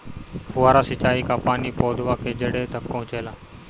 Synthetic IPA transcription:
hʊaːɾaːsɪt͡ʃaːiːkaːpaːniːpoːd̪ʱʋaːkʰeːd͡ʒəɽeːt̪ək̚pəɦʊ̃t͡ʃeːlaː

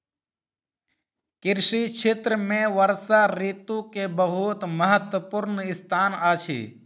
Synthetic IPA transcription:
kɪɾsiːt͡ʃʰɪt̪ɾəmẽːʋəɾsaːɾiːt̪ũkebəɦuːt̪məɦət̪wəpʊɾnɪst̪ʰaːnaːt͡ʃʰḭː

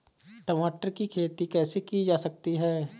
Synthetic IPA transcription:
ʈəmaːʈəɾkikʰeːt̪ikɛːsekid͡ʒaːsɐk̚t̪iɦɛː

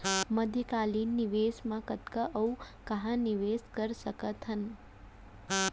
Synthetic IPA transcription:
məd̪ʱjəkaliːnːiʋeːsmãkət̪kaʔəu | kɐɦãniʋeːskəɾsəkət̪ɦən

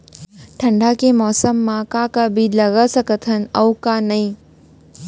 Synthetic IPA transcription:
ʈʰɐ̃ɳɖʱakemɔːsəmːãkakabʱilɐɡəsəkət̪ʰənəwkanɐɦĩ

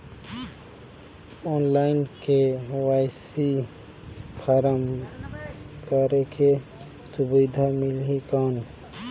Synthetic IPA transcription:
oːnlaɪnkewajsi | pʰəɾəm | kəɾekʰe | sʊbid̪ʱamɪlikaːn

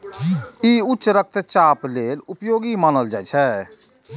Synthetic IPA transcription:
iutːt͡ʃɾək̚ʰt̪t͡ʃaːplelupjoːɡimaːnəld͡ʒaɛt͡ʃʰɛ

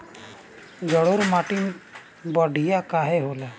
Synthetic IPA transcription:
d͡ʒɔɽoɾmaʈin | bɔɖʱijakaɦɛɦola

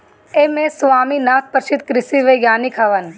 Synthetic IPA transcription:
emẽsʋaːminaːk̪̚pəɾʃit̪̚kɾɪsiʋɐɡʲjaːnikʰɐʋɐn

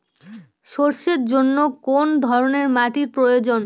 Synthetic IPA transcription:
ʃoɾʃeɾd͡ʑonːokond̪ʱɔɾoneɾmaʈiɾpɾojod͡ʑon

